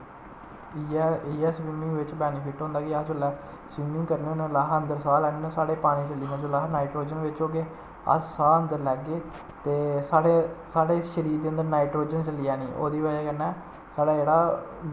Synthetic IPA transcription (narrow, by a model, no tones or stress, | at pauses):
iːɛːsʋiːmɪ̃ŋʋɪt͡ʃbɛːnɪpʰɪʈɦõːnd̪aːkɪəd͡ʒolɛː | sʋiːmɪ̃ŋkəɾnẽonẽːlaɦənd̪əɾsaːlɛːneːnõːsaːɽeːpaːñiːt͡ʃəliːnãːd͡ʒoːlaːɦnaːiʈɾoːd͡ʒənʋɪt͡ʃoːɡeː | ə̰ssaːənd̪əɾlɛːɡeː | t̪eːsaːɽeːsaːɽeːʃəɾiːd̪eːənd̪əɾnaːiʈɾoːd͡ʒənt͡ʃəliːɛːniːʔo̰ːd̪iːʋəeːkənːɛ̃ː | saːɖaːd͡ʒeːɽaː